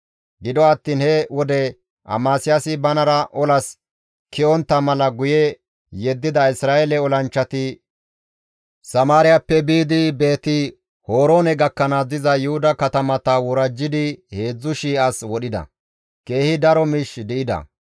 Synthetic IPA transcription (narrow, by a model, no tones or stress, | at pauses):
ɡɪd̪ɔɐt̪ːiːnhɛwɔd̪ɛ | ʔɐ̰maːsɪjasɪbɐnɐɾɐʔɔlɐs | kɪɔnt̪ːɐmɐlɐɡʊjɛ | jɛd̪ːɪd̪ɐɪsɾaːelɛɔlɐnt͡ʃːɐt̪ɪ | sɐmaːɾɪjɐpːɛbiːd̪ɪbe̞ːt̪ɪ | hoːɾo̞ːnɛɡɐkːɐnad̪ɪzɐjʊhʊd̪ɐkɐt̪ɐmɐt̪ɐwɔɾɐd͡ʒːɪd̪ɪhe̞ːd͡zːʊʃiːɐswɔɗɪd̪ɐ̰ | ke̞ːhɪd̪ɐɾɔmɪʃd̪ɪɪd̪ɐ̰